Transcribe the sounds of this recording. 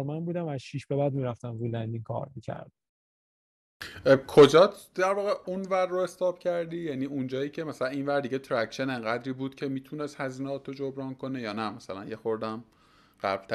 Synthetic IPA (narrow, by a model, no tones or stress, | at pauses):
ɾmænbuːd̪æmæz̥ʃiːʃbe̞bæd̪miːɾæft̪æmvujlænd̪inkʰɒ̰ːɾmiːcʰæ̰ɾd̪̥ | kʰod͡ʒɒːd̪æɾvɒːɣeunvæɾːoe̞st̪ɒːb̥cʰæɾd̪iːjæniːund͡ʒɒːiːcʰe̞mæsælæninvæɾd̪iɟet̪ʰɾækʃeneŋɢæd̪ɾiːbuːd̪̥cʰe̞miːt̪ʰunest̪hæziːnɛɒt̪ʰod͡ʒobɾɒːnkʰo̞nejɒːnæmæsælænjexoɾd̪æm | ɢ̥æblt̪ʰæ